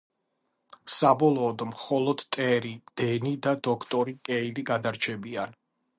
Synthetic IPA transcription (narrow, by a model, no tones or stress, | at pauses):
sabɔlˠɔːd̪mχɔlˠɔd̪t̪ʼɛɾid̪̥ɛnid̪ad̪ɔkʰt̪ʼɔɾikʼɛiliɡad̪aɾt͡ʃʰɛbian